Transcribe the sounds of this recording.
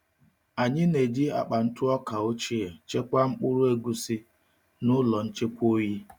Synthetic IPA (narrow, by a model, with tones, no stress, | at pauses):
a˨ɲɪ˦ne˨di˦a̰˨k͡pa˨n̩˦tʊ˦ɔ˦ka˨o˦t͡ʃi˦e˨t͡ʃe˦kʷa˦ŋ͡m̩˦k͡pʊ˦ɾʊ˦e˦ɡu˦si˦ | nʊ˦lɔ˨n̩˦t͡ʃe˦kʷo˦ji˦